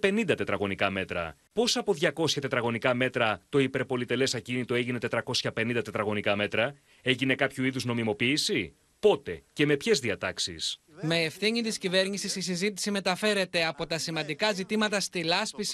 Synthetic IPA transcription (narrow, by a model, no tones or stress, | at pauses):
pe̞nind̪ɐt̪e̞t̪ɾɐɣo̞nikɐme̞t̪ɾɐ̰ | po̞sɐpo̞ðʝɐko̞sçɐt̪e̞t̪ɾɐɣo̞nikɐme̞t̪ɾɐt̪o̞ipe̞ɾpo̞lit̪e̞le̞sɐcinit̪o̞e̞ʝine̞t̪e̞t̪ɾɐko̞sçɐpe̞nĩnd̪ɐt̪e̞t̪ɾɐɣo̞nikɐme̞t̪ɾɐ | e̞ʝine̞kɐpçuiðuzno̞mimo̞piːsi | po̞t̪e̞ce̞me̞pçe̞zðiɐt̪ɐksḭs | me̞ːfθiɲit̪iscive̞ɾɲisisisizit̪i̥sime̞t̪ɐfe̞ɾe̞t̪e̞ɐpo̞t̪ɐsimɐ̃nd̪ikɐzit̪imɐt̪ɐst̪ilɐspis